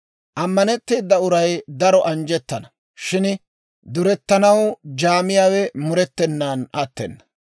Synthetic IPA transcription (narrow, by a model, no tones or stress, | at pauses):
ʔɐmːɐnɛt̪ːeːd̪ːɐʊɾɐjd̪ɐɾɔʔɐnd͡ʒɛt̪ːɐnɐ | ʃɪn | d̪ʊɾɛt̪ːɐnɐwd͡ʒaːmɪjaːwɛmʊɾɛt̪ːɛnːaːnʔat̪ːɛ̰nːɐ̥